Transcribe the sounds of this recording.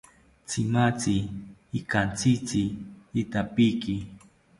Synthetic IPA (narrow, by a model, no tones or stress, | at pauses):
t͡sɪmat͡siːkant͡sit͡siːt̪apiki